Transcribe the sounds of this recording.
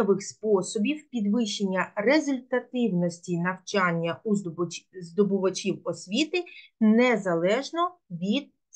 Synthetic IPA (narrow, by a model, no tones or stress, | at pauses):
ɔʋɪxspɔsɔbʲiwpʲid̪ʋɪʃenʲːɐrezʊlʲt̪ɐt̪ɪwnɔsʲtʲinɐwt͡ʃɑnʲːɐuzd̪ɔbʊʋɐt͡ʃʲiwɔsʲʋʲit̪ɪnɛzɐlˠɛʒnɔʋʲid̪̥̚